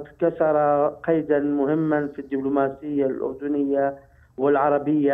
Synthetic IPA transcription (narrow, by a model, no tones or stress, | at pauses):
kasɑɾˤɑqɑjd̪anmʊhɪmːanfid̪ːɪblʊmaːsɪjːalʔʊ̰ɾd̪ʊnɪjːa | wɪlʕɑɾˤɑbɪjːa